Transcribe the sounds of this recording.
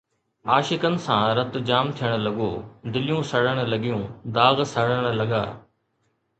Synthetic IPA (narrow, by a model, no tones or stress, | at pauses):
aːʃɪkənɪ̆sãːɾɐt̪d͡ʑaːmt̪ʰijəɽ̃lɐɠoːd̪ɪlɪjũsɐɽəɽ̃̆lɐɠijũːd̪aːɣsɐɽəɽ̃lɐɠaː